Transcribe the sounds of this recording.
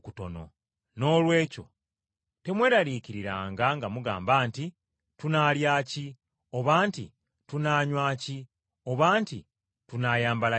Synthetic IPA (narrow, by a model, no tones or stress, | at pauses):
kuto̞̰no̞̰ | no̞ːlwe̞ːco̞̰ | te̞mwe̞ːɾaɾiːciɾiɾaːŋɡaŋɡamuɡa̰ːmbaːnti | tunaːljaːci | o̞βaːntḭ | tunaːɲwaːci | o̞βaːntḭ | tunaːjaːmbala